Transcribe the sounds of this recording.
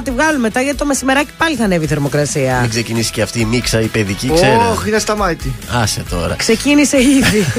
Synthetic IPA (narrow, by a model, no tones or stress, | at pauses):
ɐt̪ivɣɐlume̞t̪ɐʝɐt̪i̥t̪o̞mesime̞ɾɐci̥pɐliθɐneviθe̞ɾmo̞kɾɐsiɐeksecinisi̥ceɐft̪iːmiksɐipe̞ðiciksoeɾexinest̪ɐmɐt̪iɐsḛt̪o̞̰ɾɐ̰kse̞cinise̞iði